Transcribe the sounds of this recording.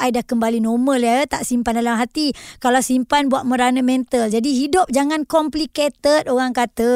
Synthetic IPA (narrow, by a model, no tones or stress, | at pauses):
ajdahkəmbalinɔməliaət̪aʔsimpandalamɦat̪ikalawsimpanbuat̪̚mə̃ɾanəmɛnt̪əld͡ʒadiɦidʊp̚d͡ʒaŋankɔmpliket̪ət̪oɾaŋkat̪ə